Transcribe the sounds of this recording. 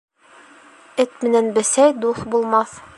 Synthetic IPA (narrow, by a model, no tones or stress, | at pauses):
ɘt̪mɘ̆nænbɘ̆sæjd̪uθbulˠmɑθ